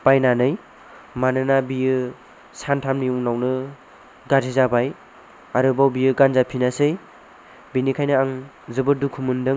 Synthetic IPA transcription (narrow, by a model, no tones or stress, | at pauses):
pajnanɯj | manɯnabijɯ | santʰamniuŋnawnɯ | ɡatʰizabaj | aɾɯbawbijɯɡanzapʰinasɯj | binikʰajnɯaŋ | zɯbɯdukʰumɯndɯŋ